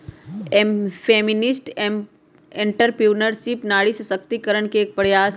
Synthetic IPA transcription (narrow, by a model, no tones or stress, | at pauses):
feːminɪsʈ | ẽɳʈəɾpuːnəɾsipnaːɽissəkt̪ikəɾəɳkeːk̚pəɾjaːs